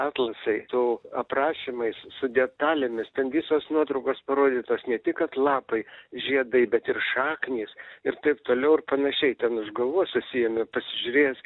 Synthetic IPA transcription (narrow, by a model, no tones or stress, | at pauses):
ɑːt̪lˠɐsɐɪt̪uɐprɑːʃʲimɐɪssʊd̪ʲɛt̪ɑːlʲɛmʲɪst̪ʲɛnʋʲisoːsnuɔt̪ɾɐʊkoːspɐɾoːd̪ʲiːt̪oːsnʲɛt̪ʲɪkɐt̪lˠɑːpɐɪʒʲiɛd̪ɐɪbʲɛt̪ɪrʃɑːknʲiːsɪɾt̪ɐɪpt̪oːlʲɛʊɪrpɐnɐʃʲɛɪt̪ʲɛnʊʒɡɐʋuɔsʊsʲɪjɛmʲɪpɐsʲɪʒʲʊɾʲeːs